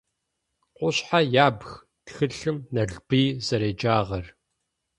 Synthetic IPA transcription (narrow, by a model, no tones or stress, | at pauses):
qʷʊɕħajaːbx | txɨɬɨmnɐɮb̥iːzɐɾeːd͡ʒaːʁɐr